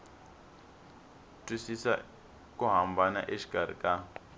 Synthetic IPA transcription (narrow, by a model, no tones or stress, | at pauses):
tʼisisa̰ | kʼuɦambana̰ʔeʃi̥kʼaɾ̤ḭkʼa